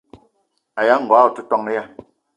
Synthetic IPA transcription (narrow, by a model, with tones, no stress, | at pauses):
a˨ja˦ŋ̩˨ɡɔ˨a˦˨tu˦tɔ˦ŋ˦ja˦˨